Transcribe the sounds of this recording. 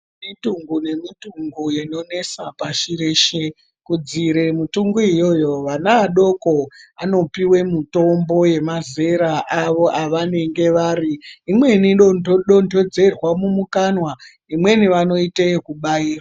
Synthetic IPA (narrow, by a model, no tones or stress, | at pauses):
mituŋɡune̞mituŋɡujeno̞ne̞sapaʃiɾeʃe | kud͡ziɾe̞mutuŋɡuijo̞jo̞ʋanaːɗo̞koano̞piwe̞muto̞mbo̞je̞maze̞ɾaʔaʋo̞ʔaʋane̞ŋɡe̞ʋaːɾiːmwe̞niɗondoɗondʱo̞d͡ze̞rwamumukanwa | imwe̞niʋano̞iteekuɓaiːra